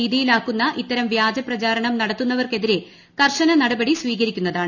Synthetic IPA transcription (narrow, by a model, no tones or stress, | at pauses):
iːðijilaːkːunːɐʔit̪ːɐɾɐmʋjaːd͡ʑɐprɐt͡ɕaːɾɐɳɐmnɐɽɐt̪ːunːɐʋɐrke̞ðiɾe̞ | kɐrʂɐnɐnɐɽɐbɐɽisʋiːɣɐɾikʲːunːɐðaːɳɨ